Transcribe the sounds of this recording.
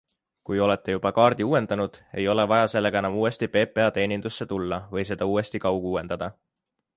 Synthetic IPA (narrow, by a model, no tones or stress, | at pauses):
kujo̞le̞t̪ːˑe̞jub̥ɑkɑːɾrd̪iuːe̞nd̪̥ɑnud̪̥e̞jo̞le̞vɑjɑse̞lːe̞ɡ̥ɑe̞nɑmuːe̞st̪ipe̞ːpˑe̞ɑt̪e̞ːnind̪̥usːe̞t̪ulːɑvɤjs̬e̞d̪̥ɑuːe̞st̪ikɑwɡuuːe̞nd̪̥ɑd̪̥ɑ